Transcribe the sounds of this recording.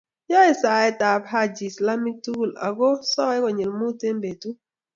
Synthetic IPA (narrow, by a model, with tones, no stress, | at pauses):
jɔ˦ɛ˨sa˨ɛ˦ta˨pha˦d͡ʒi˨sla˦mi˦k̚tu˦˨la̰˨ɡo˦sɔ˦ɛ˦kɔ˨ɲe˨lmu˦te˦m˦be˨tu˦